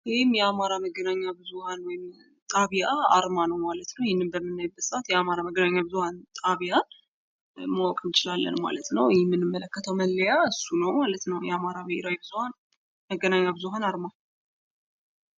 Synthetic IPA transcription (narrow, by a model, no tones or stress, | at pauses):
jhɪmjɛamaɾaməɡːənaɲːabɨzuhanwɔjɪm | t̪ʼaβijaa̰ɾmanəwmalət̪nəwjɪhnːɨmbəmːɨnːajbət̪sʔat̪jɛamaɾaməɡːənaɲːabɨzuhant̪ʼaβijan | mawɔkʼɨnt͡ʃɪlalːə̰nma̰lət̪nəwjɛmːɨnːɨmːələkːət̪ʰəwməlːəjaɨsːunəwmalət̪nəwjɛamaɾaməɪɾajbɨzuhan | məɡːənaɲːabɨzuɦanaɾma